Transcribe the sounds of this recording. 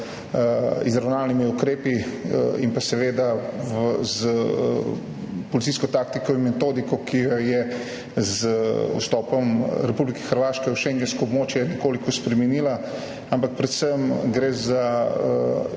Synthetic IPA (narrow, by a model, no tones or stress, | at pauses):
izɾawnaːlnimiukɾeːpiimpasɛʋeːd̪a | z | pɔlit̪siːskɔt̪aːk̚t̪ikɔimmɛt̪oːd̪ikɔkʰijɔjɛ | zṵst̪ɔːpɔmɾɛpublikɛ̥xəɾʋaːʃkɛuwʃeŋɡɛnskɔɔbmoːt͡ʃjɛnɛkoːlikɔspɾɛmɛniːla | ampak̚pɾɛt̪səmɡɾezaə